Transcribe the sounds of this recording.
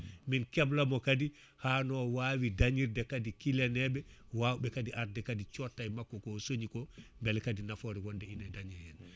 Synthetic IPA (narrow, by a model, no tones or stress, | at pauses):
minkɛblamɔkadi | hanɔwawidaɲiɾdɛkadikilɛnɛbɛwawbɛkadiʔaɾdɛkadit͡ʃɔtːajmakːɔkɔsoɲikɔmbɛlkadinafɔɾiwɔndɛinadaɲɛjɛn